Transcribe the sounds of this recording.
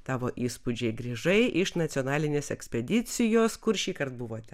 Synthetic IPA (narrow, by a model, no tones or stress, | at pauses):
t̪ɑːʋoːʔiːspʊd͡ʒʲɛɪɡɾʲiːʒɐɪʔɪʃnɐt̪ʲonɑːlʲɪnʲeːsɛksʲpʲɛd̪ʲɪt̪sʲɪjoːskʊɾʃʲiːkɐɾt̪̚bʊʋoːt̪ʲɛ